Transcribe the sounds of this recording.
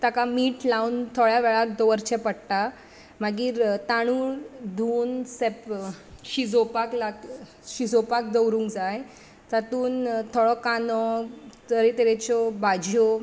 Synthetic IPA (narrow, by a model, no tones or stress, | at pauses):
t̪akamiːʈlaunt̪ʰoɭjaʋɛɭak̚d̪ɔʋəɾt͡ɕʰɛ̃pəɽʈa | maɡiːɾt̪aɽ̃uːd̪ʱuːnsepɕid͡zopaklak | ɕid͡zopak̚d͡z̪əwɾũːŋkd͡zaj | tat̪uːnt̪ʰoɭɔkanɔtəɾet̪eɾet͡ɕɔbad͡ʑʱjɔ